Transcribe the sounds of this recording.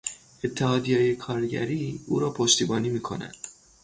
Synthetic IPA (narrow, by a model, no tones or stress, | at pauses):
e̞t̪ʰːehɒːd̪ijɒːjekʰɒːɾɟæ̰ɾiːṵːɾɒːpʰoʃt̪iːbɒːniːmiːkʰo̞̰næ̰nd̪̥